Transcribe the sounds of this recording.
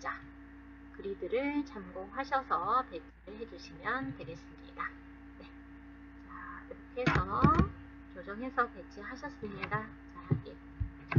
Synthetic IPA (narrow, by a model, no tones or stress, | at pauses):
t͡ɕa | kɯɾidɯɾɯɭt͡ɕamɡoŋɦaɕʰʌsʰʌte̞t͡ɕʰiɾɯɭɦe̞d͡ʑuɕʰimjʌntwe̞ɡe̞s͈ɯmɲida | ne̞ | t͡ɕakiɾʌkʰe̞sʰʌʌ | t͡ɕod͡ʑʌŋɦe̞sʰʌte̞t͡ɕʰiɦaɕʰʌs͈ɯmɲiɡa | t͡ɕajaɡe